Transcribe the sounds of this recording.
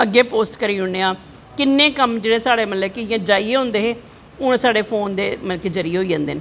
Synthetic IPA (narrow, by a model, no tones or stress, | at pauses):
əɡːeːpoːsʈkəɾiːɦʊɳeːãː | kɪnːẽːkəmd͡ʒeːɽeːsaːɽeːmət̪ləkɪãːd͡ʒaːiːeːɦʊ̃nd̪eːɦeː | ʊɽ̃saːɽeːpʰoːnd̪eːmənked͡ʒəɾiːeɦoːid͡ʒãːnd̪eːnː